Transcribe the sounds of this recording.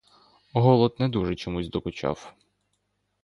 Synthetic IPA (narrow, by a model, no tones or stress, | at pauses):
ɦɔlˠɔd̪nɛd̪uʒɛt͡ʃɔmuzʲd̪ɔkʊt͡ʃɑ̰w